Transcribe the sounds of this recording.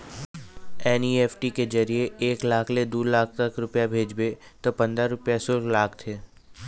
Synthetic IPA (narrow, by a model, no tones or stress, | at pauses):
ɛːniːeːfʰʈiked͡ʒəɾijeeːklaːkʰled̪oːlaːk̚ʰt̪ɐkɾʊpjabʱeːd͡ʒbet̪opɐ̃nd̪ɾaɾʊpjasʊɾklaːk̚ʰt̪ʰeː